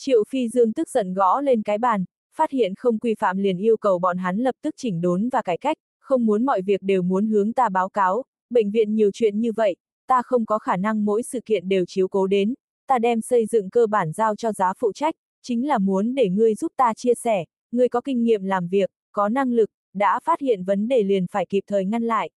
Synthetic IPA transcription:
t͡ɕḭ˧˨ə˨wfi˧zɨ˧əŋt̪ɨ˦˥k̚z̥ə̰˧˨nɣɔ̰˧˥le˧nkaː˨˦jɓaː˧˨˩n | faː˦˥t̚hḭ˧˨ənxə˧wŋ͡mkwi˧fa̰ː˧˨mli˨˩ənʔi˧əwkə˨˩wɓɔ̰˧˨nɦa˨˦nlə˨˩p̚t̪ɨ˦˥k̚t͡ɕï˧˩ŋ̟ɗo˨˦nvaː˨˩kaː˨˦jka˦˥jk̟̚ | xə˧wŋ͡mmu˨˦ənmɔ̰˧˨jvi˨˩ək̚ɗe˨˩wmu˨˦ənhɨ˨˦əŋt̪aː˧ɓaː˨˦wkaː˨˦w | ɓə̰˧˨ŋ̟vḭ˧˨ənɲi˨˩əwt͡ɕwḭ˧˨ənɲɨ˧və̰˧˨j | t̪aː˧xə˧wŋ͡mkɔ˨˦xaː˧˩na˧ŋmo̰˧˥jsɨ̰˧˨kḭ˧˨ənɗe˨˩wt͡ɕi˨˦əwko˨˦ɗe˨˦n | t̪aː˧ɗɛ˧msə˧jzɨ̰˧˨ŋkəː˧ɓaː˧˩nzaː˧wt͡ɕɔ˧zaː˨˦fṵ˧˨t͡ɕa˦˥jk̟̚ | t͡ɕï˨˦ŋ̟laː˨˩mu˨˦ənɗe˧˩ŋɨ˧əjzu˦˥p̚t̪aː˧t͡ɕi˧əsɛ˧˩ | ŋɨ˧əjkɔ˨˦kï˧ŋ̟ŋḭ˧əmlaː˨˩mvi˨˩ək̚ːɔ˨˦na˧ŋlɨ˨˩k̚ | ɗa̰ː˧˥faː˦˥t̚hḭ˧˨ənvə˨˦nɗe˧˩li˨˩ənfaː˧˩jki˨˩p̚t̪ʰəː˨˩jŋa˧nla̰ː˧˨jʔ

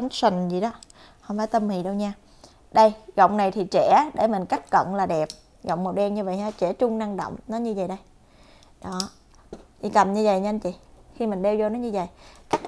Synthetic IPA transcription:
nsï˨˩ŋ̟zi˨˩ɗɔ˨˦ | hə˧wŋ͡mfaː˨˦jt̪ə˧mhḭ˧˨ɗə˧wɲaː˧ | ɗə˧jɣɔ̰˧˨wŋ͡mna˨˩jt̪ʰi˨˩t͡ɕɛ˧˩˦ɗe˧˩mï˨˩ŋ̟ka˦˥k̟̚kə̰˧˨nlaː˨˩ɗɛ˨˩p̚ | ɣɔ̰˧˨wŋ͡mmo˨˩t̚ɗɛ˧nɲɨ˧və̰˧˨jɦaː˧˩t͡ɕɛ˧˩t͡ɕʊ˧ŋ͡mna˧ŋɗo̰˧˨wŋ͡mnɔ˨˦ɲɨ˧və̰˨jɗə˧j | ɗɔ˨˦ | ɲi˧˩ka˨˩nɲɨ˧və̰˧˨jɲa˧nt͡ɕḭ˧˩˨xi˧mï˨˩ŋ̟ɗe˧wzo˧nɔ˨˦ɲɨ˧zvə̰˧˨jka˦˥k̚

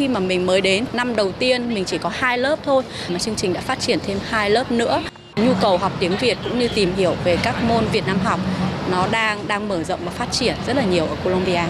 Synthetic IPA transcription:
xi˧maː˨˩mï˨˩ŋ̟məː˨˦jɗe˨˦nːa˧mɗə˨˩wt̪i˧ənmï˨˩ŋ̟t͡ɕi˧˩kɔ˨˦haː˧jləː˦˥p̚t̪ʰo˧j | maː˨˩t͡ɕɨ˧əŋt͡ɕï˨˩ŋ̟ɗa̰ː˧˥faː˦˥t̚t͡ɕi˧˩ənt̪ʰe˧mhaː˧jləː˦˥p̚nɨ̰˧˥ə | ɲu˧kə˨˩wɦa˨˩wk͡p̚t̪i˨˦əŋvi˨˩ət̚kʊ̰˧˥ŋ͡mɲɨ˧t̪i˨˩mɦi˧˩əwve˨˩kaː˦˥k̚mo˧nvi˨˩ət̚naː˧mɦɔ˨˩wk͡p̚nɔ˨˦ɗaː˧ŋɗaː˧ŋməː˧˩zə̰˧˨ŋ͡mvaː˨˩faː˦˥t̚t͡ɕi˧˩ənzə˦˥t̚laː˨˩ɲ˨˩əwʔəː˧˩ko˧lo˧mɓi˧aː˧

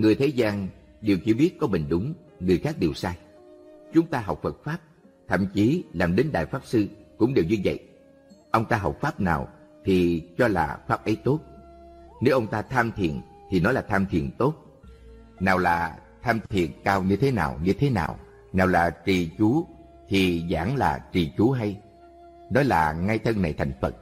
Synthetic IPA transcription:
ŋɨ˨˩əjt̪ʰe˨˦zaː˧n | ɗi˨˩wt͡ɕi˧ɓi˦˥ət̚kɔ˨˦ɓï˨˩ŋ̟ɗʊ˨˦ŋ͡m | ŋɨ˨˩əjxaː˦˥k̚ɗi˨˩əwsaː˧j | t͡ɕʊ˨˦ŋ͡mt̪aː˧ɦɔ˨˩wk͡p̚fə˨˩t̚faː˦˥p̚ | t̪ʰə̰˧˨mt͡ɕi˨˦laː˨˩mɗe˨˦nɗa̰ː˧˨jfaː˦˥p̚sɨ˧kʊ̰˧˥ŋ͡mɗe˨˩wzi˧və̰˧˨j | ʔə˧wŋ͡mt̪aː˧ɦɔ˨˩wk͡p̚faː˦˥p̚na̰ː˨˩wt̪ʰi˨˩t͡ɕɔ˧la̰ː˨˩faː˦˥p̚ʔə˨˦jt̪o˦˥t̚ne˨˦wʔə˧wŋ͡mt̪aː˧t̪ʰaː˧mt̪ʰḭ˨ən | t̪ʰi˨˩nɔ˨˦jlaː˨˩t̪ʰaː˧mt̪ʰḭ˨˩ənt̪o˦˥t̚ | naː˨˩wlaː˨˩t̪ʰaː˧mt̪ʰḭ˨ənkaː˧wɲɨ˧t̪ʰe˨˦naː˨˩wɲɨ˧t̪ʰe˨˦na̰ː˨˩w | naː˨˩wlaː˨˩t͡ɕi˨˩t͡ɕu˨˦ | t̪ʰi˨˩za̰ː˧˩ŋlaː˨˩t͡ɕi˨˩t͡ɕu˨˦ɦa˧j | nɔ˨˦jlaː˨˩ŋa˧jt̪ʰə˧ŋna˨˩jt̪ʰa˨˩jŋ̟fə˨˩t̚

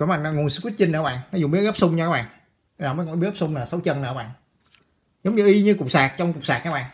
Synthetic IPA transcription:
kɔ˧˩˦ɓa̰˨˧˨na˧˩ŋu˨˩nsɨ̥˧kwi˦˥k̚t͡ɕï˧ŋ̟nəː˧˦ɓa̰ː˧˨ŋnɔ˨˦zŋ͡mɓi˦˥ɣə˦˥p̚sʊ˧ŋ͡mɲɔ˧kaː˨˦ɓa̰ː˧˨nː˨˩ | məː˨˦kɔ˧˨˩ɓɣə˦˥sʊ˧ŋ͡mnəː˨˩sa˨˦wt͡ɕə˧nɨ̰˨˧˨ɓa̰ː˧˨ŋ | zə˨˦wŋ͡mɲɨ˨˩ʔi˧ɲɨ˧kʊ˨˩k͡p̚saː˨˩k̚t͡ɕɔ˧wŋ͡mkʊ˨˩k͡p̚saː˨˩k̚kaː˨˦˥ɓa̰ː˧˨ŋ

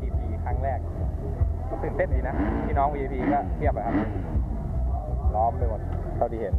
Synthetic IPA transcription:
ʔiː˧pʰiː˧kʰaː˦˥˩ŋɾɛː˥˩k̚ | sɯː˨˩nt̪e˥˩ndiː˨˩na˦˥p̪ʰiː˥˩nɔː˦˥ŋwiː˧ʔiː˧pʰiː˧kɔː˥˩t̪ʰi˥˩əp̚ːa˧˩kʰa˦˥p̚ | lɔː˦˥mdɯ˧˩wa˨˧˩ | t̪ʰa˧˩d̪ʰiː˧˩he˨˩˦n

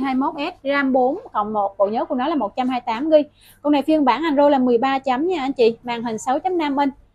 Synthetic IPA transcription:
ɦaː˧jmo˦˥t̚ʔɛ˦˥t̚zaː˧mɓo˨˦nkə˧˨wŋ͡mmo˨˩t̚ɓo̰˧˨ɲəː˨˦ku˧˩ənɔ˨˦laː˨˩mo˨˩t̚t͡ɕa˧mhaː˧jt̪aː˨˦mɣi˧j | ko˧˨wna˨˩jfi˧əŋɓaː˧˩nʔa˨˩ŋzo˧jlaː˨˩mɨ˨˩əjɓaː˧t͡ɕa˨˦mɲaː˧ʔa˧nt͡ɕḭ˧˨ma̰ː˨˩ŋɦï˨˩ŋ̟sə˨˦wt͡ɕə˨˦mna˧mʔə˧n

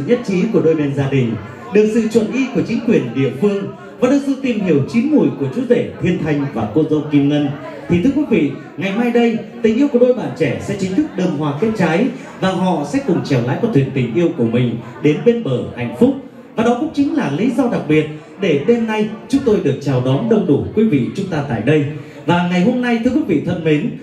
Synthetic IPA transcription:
ɲə˦˥t̚t͡ɕi˨˦ku˧˩əɗo˧jɓɛ˧nzaː˧ɗï˨˩ŋ̟ | ɗɨ˨˩ək̚sɨ̰˧˨t͡ɕwə˧˨nʔi˧ku˧˩ət͡ɕï˨˦ŋ̟kwi˨˩ənɗḭ˧˨əfɨ˧əŋ | vaː˨˩ɗɨ˨˩ək̚sɨ̰˧˨t̪i˨˩mɦi˧˩əwt͡ɕi˨˦nmu˧˩jku˧˩ət͡ɕu˨˦ze˧˩t̪ʰwi˧ənt̪ʰa˧jŋ̟vaː˨˩ko˧zə̰˧wŋ͡mki˧mŋə˧n | t̪ʰi˨t̪ʰɨ˧əkwi˨˦vḭ˧˨ | ŋa˨˩jmaː˧jɗə˧jt̪ï˨˩ŋ̟ʔi˧əwku˧˩ɗo˧jɓa̰ː˧˨nt͡ɕɛ˧˩sɛ̰˧˥t͡ɕï˨˦ŋ̟t̪ʰɨ˦˥k̚ɗəː˧˩mhwaː˧˩ke˦˥t̚t͡ɕa˨˦j | vaː˨˩ɦɔ̰˧˨sɛ̰˧˥kʊ˨˩ŋ͡mt͡ɕɛ˧˩wla̰ː˨˥jkvɔ˨˩t̪wḭ˨˧˨ənt̪ï˨˩ŋ̟ʔi˧əwku˧˩əmï˨˩ŋ̟ | ɗe˨˦nɓe˧nɓəː˧˩ha̰˧˩jŋ̟fʊ˦˥k͡p̚ | vaː˨˩ɗɔ˨˦kʊ̰˧˥˦ŋ͡mt͡ɕï̟˨˦laː˨˩lḭ˧˥zɔ˧ɗa˨˩k̚ɓi˨˩ət̚ | ɗe˧˩ɗe˧mna˧jt͡ɕʊ˨˦ŋ͡mt̪o˧jɗɨ˨˩ək̚t͡ɕaː˨˩wɗɔ˨˦nɗə˧wŋ͡mɗu˧˩kwi˨˦vḭ˧˨t͡ɕʊ˨˦ŋ͡mt̪aː˧t̪a̰ː˧˨jɗə˧j | vaː˨˩ŋa˨˩jɦo˧mna˧jt̪ʰɨ˧əkwi˨˦vḭ˧˨t̪ʰə˧nme˨˦n

